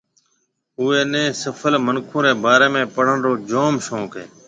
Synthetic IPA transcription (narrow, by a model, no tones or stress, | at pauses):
uːeːnẽːsəfʰəlmənkʰũːɾeːbaːɾeːmẽːpəɽ̤əɳɾoːd͡ʒoːmʃõːkɦḛː